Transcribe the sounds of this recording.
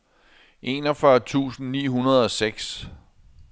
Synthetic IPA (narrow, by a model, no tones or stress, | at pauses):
ʔe̝nɒfɶɐt͡sʰṵːsn̩nḭːɦunɐð̞̩ˠɒ̽seɡ̥s